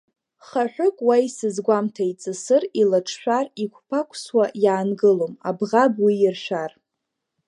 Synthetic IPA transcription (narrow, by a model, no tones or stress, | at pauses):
χaħʷᶣʊkʷʼwajsɨzɡʷamtʰait͡sʼɨsɨrilaʈ͡ʂʰʃᶣarikʷʰpʰakʷʰswajaːnɡɨloma̰bʁabwiɪrʃʷᶣar